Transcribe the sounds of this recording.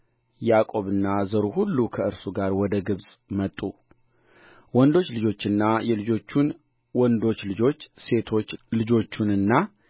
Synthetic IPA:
jakʼo̞βɨnːazəɾuhulːukʰəɨɾsuɡaɾwɔd̪əɡɨβsʼmət̪ʼːu | wɔnd̪o̞t͡ʃːlɨd͡ʒo̞t͡ʃːɨnːajɛlɨd͡ʒo̞t͡ʃːun | wɔnd̪o̞t͡ʃːlɨd͡ʒo̞t͡ʃːse̞t̪ʰo̞t͡ʃːlɨd͡ʒo̞t͡ʃːunɨnːa

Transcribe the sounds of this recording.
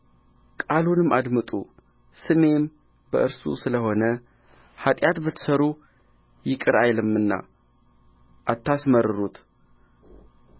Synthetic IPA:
kʼalunɨmːʔad̪mɨt̪ʼu | sɨme̞m | bəʔɨɾsṵsɨləho̞nə | hat̪ʼjat̪bət̪ʰːɨ̥səɾu | jɪkʼɨɾajlɨmɨnːa̰ | ʔat̪ʰːasməɾːɨɾut̪

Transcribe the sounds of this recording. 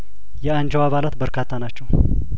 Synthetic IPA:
jɛand͡ʒɛwaβalat̪bəɾkʰat̪ʰːanat͡ʃːɛw

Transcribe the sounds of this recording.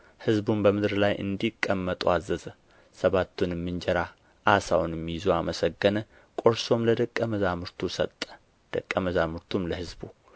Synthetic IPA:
hɨzbumbəmɨd̪ɾlajʔɨ̰nd̪ikʼːəmːət̪ʼuazːəzə | səβat̪ːunɛmːɨnd͡ʒɛɾa | ʔasawnjɛmːijɪzoaməsəɡːənə | kʼo̞ɾso̞mləd̪əkʼːəməzamɨɾt̪ʰusət̪ʼːə̥ | d̪̥əkʼːəməzamɨɾt̪ʰumləhɨzbu

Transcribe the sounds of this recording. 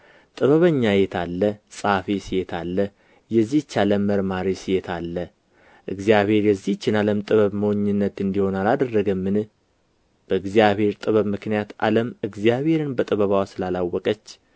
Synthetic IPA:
t̪ʼɨβəβəɲːajɛt̪ʰalːəsʼafesijet̪ʰalːə | jɛzːit͡ʃːaləməɾmaɾisijet̪ʰalːə | ʔɨ̰ɡzijaβhe̞ɾjɛzːit͡ʃːɪnaləmt̪ʼɨβəβməwoɲːɨnːət̪ɨnd̪iho̞nalad̪ərːəɡəmːɨnɨ | b̥əɨɡzijaβhe̞ɾt̪ʼɨβəβmɨknijat̪a̰ləmɨɡzijaβhe̞ɾɨnbət̪ʼɨβəβawsɨlalawːɔkʼət͡ʃː

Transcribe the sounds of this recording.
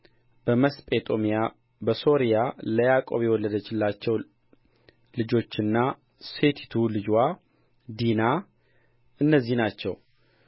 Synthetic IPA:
bəməspʼet̪ʼo̞mija | bəso̞ɾijaləjakʼo̞βjɛwɔlːəd̪ət͡ʃːɪlːat͡ʃːɛw | lɨd͡ʒo̞t͡ʃːɨnːa | se̞t̪ʰi̥t̪ʰulɨd͡ʒwa | d̪ina | ɨnːəzːihnat͡ʃːɛ̰w

